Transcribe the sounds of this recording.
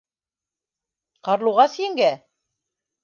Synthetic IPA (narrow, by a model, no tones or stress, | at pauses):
qɑɾlˠuʁɑsiɘ̆ŋɡæ